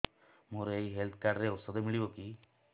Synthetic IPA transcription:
muɾeiɦelt̪ʰkaɖɾeut̪sɔd̪emiɭiboki

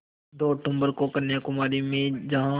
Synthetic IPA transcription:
d̪oːʈʊ̃mbəɾkokɐɾnjakʊmaːɾimẽd͡ʒɐɦã

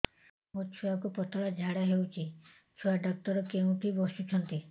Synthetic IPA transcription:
mut͡ʃʰuakupɔt̪ɔɭad͡ʒʱaɽaɦewt͡ʃʰi | t͡ʃʰuaɖɔk̚t̪ɔɾɔkeŋuʈʰibɔsut͡ʃʰɔnt̪i

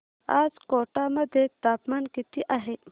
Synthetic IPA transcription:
a̰zkoʈamɐd̪et̪aːpmankit̪iʔaɦe

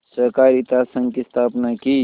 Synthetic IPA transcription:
sɐɾkaːɾit̪aːsɐ̃ŋɡkist̪ʰaːpnaki

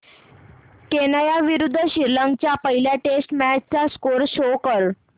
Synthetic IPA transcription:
kenajaʋiɾud̪ʱːəɕiɾləŋɡ̚t͡ɕjapəɦiljaʈesʈmæt͡st͡saskoɾɕokəɾ

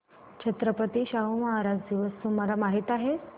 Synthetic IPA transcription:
t͡ɕʰət̪ɾəpət̪iːɕaɦumaɦaɾad͡zd̪iʋəsːumalamaɦit̪aɦe

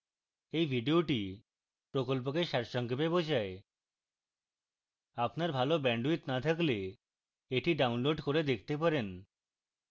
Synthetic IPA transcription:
ejbʱiɖioʈi | pɾokolp̬okeʃɛɾʃɔŋkepebod͡ʑae | apnaɾbʱalobɛɳɖuit̪nat̪ʰakle | eʈiɖaunloɖkoɾed̪ekʰt̪ep̬aɾen

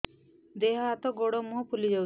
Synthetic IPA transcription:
d̪eɦaat̪ɔɡoɽɔmuɦɔpʰulid͡ʒa

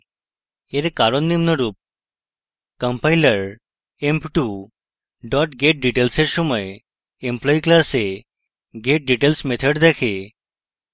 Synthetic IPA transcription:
eɾkaɾonːimnəɾuːp̚ | kəmpajləɾ | empʈu | ɖɔʈɡeʈ̚ɖiʈelseɾsəməj | emplɔiklase | ɡeʈ̚ɖiʈelsmet̪ʰəɽd̪ɛkʰe

